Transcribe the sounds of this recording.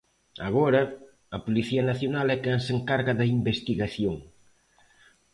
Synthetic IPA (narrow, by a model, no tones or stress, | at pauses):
ɐɣɔɾɐ | ɐpoliθiɐnaθjonalɛkenseŋkaɾɣɐðɐimbest̪iɣaθjoŋ